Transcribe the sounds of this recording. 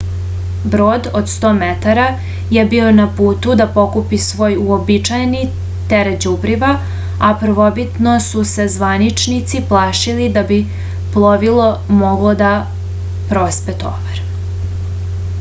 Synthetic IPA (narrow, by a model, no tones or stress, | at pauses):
bɾoːd̪od̪st̪o̞ːmet̪aɾa | je̞bionapuːt̪ud̪apo̞kupisʋo̞ːjuobit͡ʃajni | t̪eɾed͡ʑubɾiʋa | apr̩ʋobit̪nosuse̞zʋanit͡ʃnit̪siplˠaːʃilid̪abi | plˠoʋilˠo̞mo̞ɡlod̪a | pɾospet̪o̰ʋaɾ